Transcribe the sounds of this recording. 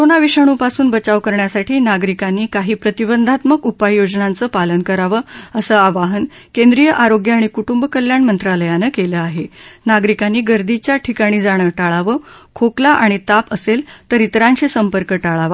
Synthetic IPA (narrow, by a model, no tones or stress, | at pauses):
koɾonaʋiʂaɽ̃uːpasuːnbət͡ɕaʋkəɾɳjasaʈiːnaɡɾikanːiːkaɦiːpɾət̪ibənd̪ʱat̪məkupajːod͡znãnt͡səːpalənkəɾaʋəːəsəaʋaɦənkẽnd̪ɾijəʔaɾoɡjəaɽ̃ikuʈumbkəljaɳmənt̪ɾaləjanəkeləaɦenaɡɾikanːiːɡəɾd̪it͡ɕjaʈʰikaɽ̃iːd͡zaɽ̃əʈaɭaʋəkʰoklaʔaɽ̃it̪apəselt̪əɾit̪ɾaɲɕisəmpəɾkəʈaɭaʋa